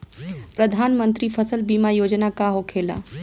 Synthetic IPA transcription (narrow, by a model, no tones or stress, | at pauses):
pɾəd̪ʱaːnmə̃nt̪ɾifʰəsəlbiːmajoːd͡ʒnakaɦokʰeːla̰ː